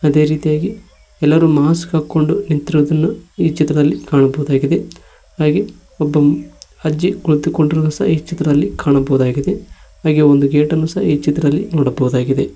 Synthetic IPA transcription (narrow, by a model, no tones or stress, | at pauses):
ɐd̪e̞ːɾiːt̪ijaːɡi | ɛlːɐɾumaːskaːkːo̞ɳɖunint̪iɾʋɐd̪ɐnːuiːt͡ʃit̪ɾɐd̪ɐlːikaːɳɐbɐʋud̪aːɡid̪e̞ | haːɡe | ɔbːɐ | ɐd͡ʒiɡuɭut̪ukːoɳɖiɾɐnusɐ̰ɦiːt͡ʃit̪ːɾɐd̪ɐlːikʰaːɳɐbɐwud̪aːɡid̪e̞ | haːɡeond̪uɡeːʈɐnːusɐɦɐiːt͡ʃit̪ɾɐd̪ɐlːinɔːɽɐbɐʋud̪aːɡid̪e̞